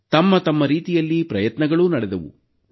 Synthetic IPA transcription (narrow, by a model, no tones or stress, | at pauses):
t̪ɐmːɐt̪ɐmːɐɾiːt̪ijɐlːipɾɐjɐt̪nɐɡɐɭunɐɽɛd̪ɐʋṵ